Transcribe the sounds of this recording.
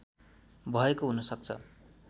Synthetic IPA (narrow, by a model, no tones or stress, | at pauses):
bʱʌekoɦunʌsʌk̚t͡sʰʌ̰